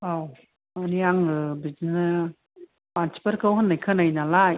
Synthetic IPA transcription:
aw | aniaŋɯbizinɯ | pant͡ʃʰi̥pəɾkʰɯwɦɯnːajkʰɯnajnalaj

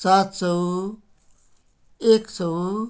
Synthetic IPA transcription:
saːt̪sɔ | eːksɔ

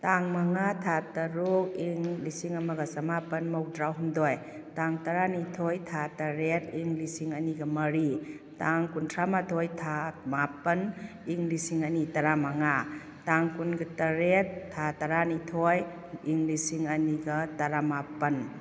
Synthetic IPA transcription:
taŋmɐŋatʰatɐɾok̚iŋlisiŋɐmɐɡɐsɐmapɐnmɐwdɾawɦundoj | taŋtɐɾanitʰojtʰatɐɾetiŋlisiŋɐniɡɐmɐɾi | taŋkuntʰɾamatʰojtʰamapɐn | iŋlisiŋɐnitɐɾamɐŋa | taŋkunɡɐtɐɾetʰːatɐɾanitʰoj | iŋlisiŋɐniɡɐtɐɾamapɐn

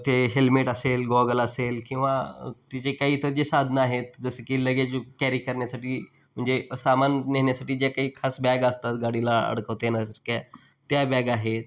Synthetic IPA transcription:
t̪eɦelmeːʈɐseːlɡɔːɡəlɐseːlkĩʋat̪ɪt͡ʃekɐit̪od͡ʒesaːd̪ʱnaːɦet̪d͡ʒɐskilɐɡed͡ʒukɛːɾikɐɾnesəʈi | mʊ̃nd͡ʒesaːmaːnneɦnesəʈid͡ʒakɐikʰasbɛːɡaːst̪aɡaːɽilaɐ̰ɽkəːt̪enasɾkaː | t̪jabɛːɡaːɦe

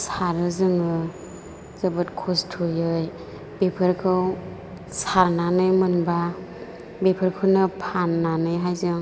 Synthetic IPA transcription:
saɾɯzɯŋɯ | zɐbɯtkʰɔstʰujɯj | bepʰɯɾkʰɯw | saɾnanɯjmɯnba | bepʰəɾkʰɯwnɯpʰanːanɯjɦajzɯŋ

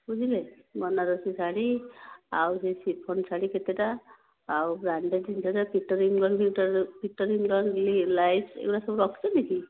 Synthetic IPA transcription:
bud͡ʒʱilejmɔnaɾɔsisaɽiawsesipʰɔnsʰaɽiket̪eʈaː | wbɾaɳɖeʈd͡ʒintaɾapiʈɔɾiŋɡlɔnpikʈapiʈɔɾiŋɡlɔnɡlilajpsḛkʈasɔbuɾɔkʰt͡ʃɔneki

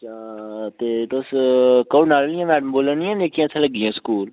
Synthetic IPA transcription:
at̪eːt̪oskənaːlːɪ̃jãːmɛːɖəmboːlənĩãːneːkʰiãːt͡ʃʰãləɡːiãːskuːl

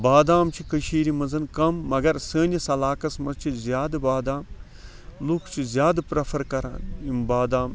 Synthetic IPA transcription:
baːd̪aːmt͡ʃʰikəʃiːɾimɐnzɐnkɐmːɐɡɐɾsəːnʲisɐlaːkɐsmɐzt͡ʃʰizjaːd̪baːd̪aːm | lukʰt͡ʃʰizʲjaːd̪pɾɐfʰɐɾkɐɾa̰ːnimbaːd̪aːm

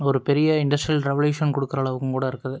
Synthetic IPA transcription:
ɔɾɯpɛɾɪjɐɪɳɖɐsʈɾilɾɛʋɐljuːʂɐnkɔɽɯkːɯɾɐːɭɐʋɯkːɯmkuːɽɐɪɾɯkːɾɐðɯ

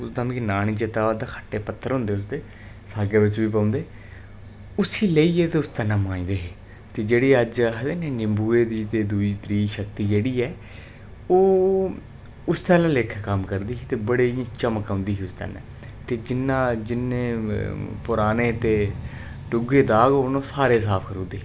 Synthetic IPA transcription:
ʊsd̪ãːmkinaːɽ̃iːd͡ʒet̪aːʋaːd̪aːkʰə̥ʈːeːpət̪ʰːəɾɦʊ̃nd̪eːʊsd̪eː | saːɡeːʋɪt͡ʃʋiːpãːʊ̃nd̪eː | ʊsiːləiːɛːt̪eːʊst̪ənːãːmãːĩːd̪eːɦeː | t̪eːd͡ʒeːɽiːəd͡ʒɦəd̪eːnẽːnɪmbuːeːd̪iːt̪eːd̪uiːt̪ɾiːʃəkt̪iːd͡ʒeːɽiːɛː | oː | ʊst̪aːlãːleːkʰːkəmkəɾd̪iːsiːt̪eːbəɽeːĩt͡ʃəməkãʊ̃nd̪iːsiːʊst̪ə̰nḛ̃ː | t̪eːd͡ʒɪnːãːd͡ʒɪneː | pʊɾaːneːt̪eː | ɖʊɡeːd̪aːɡɦoːnõːsaːɾeːsaːpʰkəɾũːnd̪eː

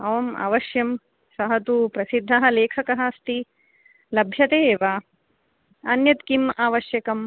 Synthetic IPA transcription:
ɐʋɐma̰ːʋɐʃjɐm | sɐɦɐt̪upɾɐsid̪ʱːɐɦɐleːkʰɐkɐɦɐst̪i | lɐbʱjɐt̪eːʋaː | ɐnjɐt̪kimaːʋɐʃjɐkɐm

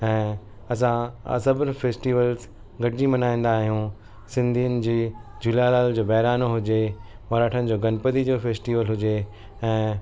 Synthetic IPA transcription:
ɛ̃ː | ɐsãɐ̰sɐbnfeːsʈiːʋəlz | ɡɐʈɪd͡ʑimɐnaːĩn̆d̪aːɦijũ | sɪ̃nd̪ʱiːʊnɪ̆d͡ʑiːd͡ʑulalaːld͡ʑoːbɐɦɾaːnoɦʊd͡ʑemɐɾaːʈʰənɪ̆d͡ʑoːɡɐnpəd̪id͡ʑoːfeːsʈiːʋəlɦʊd͡ʑe | ɛ̃ː

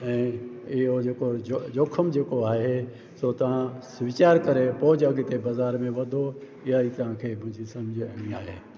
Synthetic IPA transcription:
ɛ̃ːɪɦod͡ʒeːkood͡ʒoːkʰəmd͡ʒeːkoaːɦe | soːt̪ɐʋ̤ãsʊʋɪt͡ʃaːɾkɐɾepɔːd͡ʒɐɡɪt̪ebɐzaːɾmẽʋɐd̪ʱo | ɪjaiːt̪ɐɦãkʰeːmʊ̃ɦɪ̃ɲd͡ʒʱisɐmd͡ʒʱɡiaːɦeː

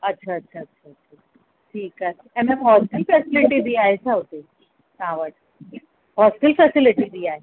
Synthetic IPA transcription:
ətːɕʰaətːɕʰaətːɕʰaətːɕʰa | ʈʰiːka | ɛmɛmɦɔsʈilfɛsiliʈibʱiaesʰaɦot̪e | ãʋəʈ | ɦɔsʈilfɛsiliʈibʱiae

